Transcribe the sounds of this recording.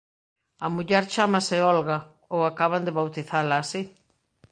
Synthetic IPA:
ɐmuʎɛɾt͡ʃamɐsɪɔlɣɐ | owakaβand̪ɪβawt̪iθalaːsi

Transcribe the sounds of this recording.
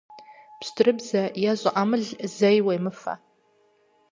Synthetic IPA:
psdrɨbzajazʷʼaʔamɨɮzejwajmɨfa̰

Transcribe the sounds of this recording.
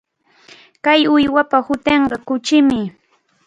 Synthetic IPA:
kajʊjwapahʊt̪eɴɢɑkʊt͡ʃɪmɪ

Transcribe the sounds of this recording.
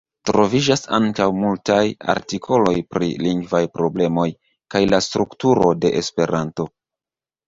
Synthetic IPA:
tɾo̞vid͡ʒasaŋkawmultaja̰ɾtikʰo̞lo̞jpɾḭliŋɡvajpɾo̞ble̞mo̞j | kajlastɾuktuɾo̞de̞ʔespe̞ɾanto̞

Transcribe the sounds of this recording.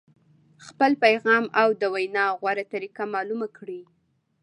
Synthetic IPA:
xpəlpajɣɑmawd̪əwajnɑɣwaɾat̪aɾikamɑlumakɽi

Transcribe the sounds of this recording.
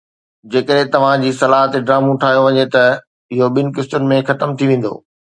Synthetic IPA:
d͡ʑeːkəɗɦɪ̃t̪ɐʋ̤ãd͡ʑiːsɐlaːɦət̪ɖɾaːmũʈʰaːɦijoʋɐɲet̪ɐ | ɪɦoɓɪnɪ̆kɪstʊnɪ̆mẽxɐt̪əmt̪ʰiʋẽːn̆d̪o̰ː

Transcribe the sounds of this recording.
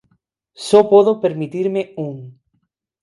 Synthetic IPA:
sopoðopeɾmit̪iɾmeuŋ

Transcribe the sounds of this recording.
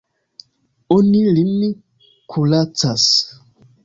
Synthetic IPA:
onilimi | kʰulat͡sas

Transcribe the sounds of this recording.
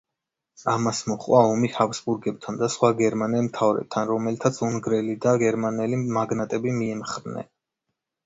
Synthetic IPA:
amasmɔχʼwaɔmihavsbuɾɡɛb̚t̪ʰand̪asχwaɡɛɾmanɛlmt̪ʰavɾɛ̰b̚t̪ʰanɾɔmɛlit̪ʰat̪sʰuŋɡɾɛlid̪aɡɛɾmanɛlimaɡnat̪ʼɛbimiɛmχɾnɛ̰

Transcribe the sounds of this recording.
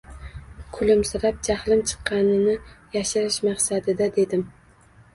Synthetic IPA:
kʰʊlɪmsɪɾap̚d͡ʒahlɪmt͡ʃʰɨ̥qːɑnɪnɪjaʃaɾɪʃmɑχsad̪ɪd̪ad̪e̞d̪ɪm

